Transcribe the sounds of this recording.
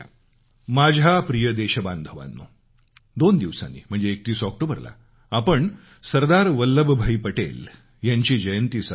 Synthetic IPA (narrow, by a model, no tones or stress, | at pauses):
mad͡ʑʱapɾijəd̪eɕəband̪ʱəʋa̰nːo̰ | d̪ond̪iʋsa̰nːḭːm̤əɳd͡zeːk̚t̪iːsɔk̚ʈobəɾla̰ | apəɳ | səɾd̪aɾʋəlːəbʱbʱəipəʈḛl | jaɲt͡ɕiːd͡ʑəjənt̪iːsa